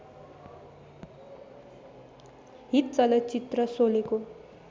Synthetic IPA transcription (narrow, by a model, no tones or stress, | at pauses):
ɦit̪̚t͡sʌlʌt͡sit̪rʌsoleko